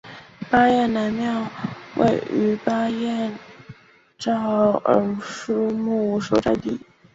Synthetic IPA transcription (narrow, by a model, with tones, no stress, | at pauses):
pa˥jɛ˥˩nna˧˥nmjɑ˥˧ʊwʔḛ˥˩ɪy˧˥pa˥jɛ˥˩˧n | ʈ͡ʂɑ˥˩ʊə˧˥ʂ̩˥mu˥˩ʂo˥ʊʈ͡ʂa˥˧ɪt̪i˥˩